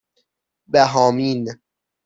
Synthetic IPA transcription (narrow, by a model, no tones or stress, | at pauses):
bæɦɒːmin